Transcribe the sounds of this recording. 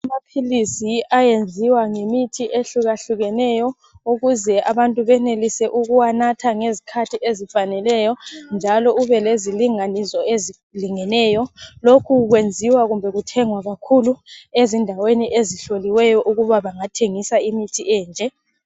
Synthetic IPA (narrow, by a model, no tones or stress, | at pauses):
amapʰilisiajend͡zʱiwaŋemitʰiʔeɬuɣaɬuɣɛnɛjɔ | uɣuzɛaβantʼuβɛnelisɛʔuɣuwanatʰaŋezikʰatʰiʔezifanɛlɛjɔnd͡ʒʱalɔuβɛleziliŋanisɔezi | liŋɛnɛjɔlokʰuɣwend͡zʱiwaɣumbʱɛɣutʰɛŋwaɣakʰuluezindʱaweniʔeziɬoliwɛjɔʔuɣuβaβaŋatʰeŋisaimitʰiʔɛːnd͡ʒʱɛ